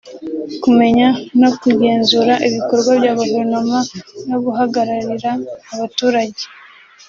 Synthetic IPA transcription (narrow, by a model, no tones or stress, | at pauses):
kume̞ɲano̞kuɟe̞ːnzuɾaʔiβiko̞ɾɡwabɟaːβavunomano̞ɡuɦaɡaɾaɾiɾaːβatuːɾaɟe